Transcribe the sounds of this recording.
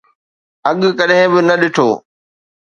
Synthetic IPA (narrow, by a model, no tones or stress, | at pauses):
ɐɠkɐɗɦɪ̃bɪnɐɗɪʈʰoː